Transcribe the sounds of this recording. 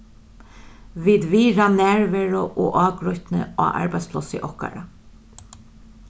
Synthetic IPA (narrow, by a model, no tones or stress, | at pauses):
viːd̪viːɾanɛːɹvɛɹʊʔoːʔɑːɡɾʊht̪nə̰a̰ːʔa̰ɹbajd̪splɔsɪ̰ʔɔhka̰ɹa